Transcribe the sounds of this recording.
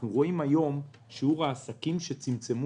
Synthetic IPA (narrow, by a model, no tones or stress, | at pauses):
ʁoimajo̞m | ʃeuʁaːsakimʃet͡simt͡semu